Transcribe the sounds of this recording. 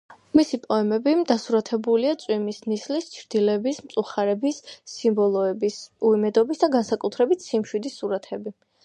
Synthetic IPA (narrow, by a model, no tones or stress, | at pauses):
misipʼɔɛmɛbid̪asuɾat̪ʰɛbuliat̪sʼwimisnislist͡ʃʰɾd̪̥ilɛbismt̪sʼuχaɾɛbisːimbɔlˠɔɛbisuimɛd̪ɔbisd̪aɡansakʼut̪ʰɾɛbit̪ʰsimʃwid̪isːuɾat̪ʰɛbi